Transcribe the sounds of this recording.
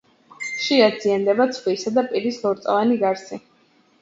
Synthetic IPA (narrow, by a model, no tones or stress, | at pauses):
ʃiad̪ziand̪ɛbat̪sʰχwisad̪apʼiɾislɔɾt̪sʼvaniɡaɾsi